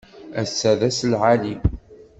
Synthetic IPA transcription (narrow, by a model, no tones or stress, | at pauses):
æsːæðæslʕalib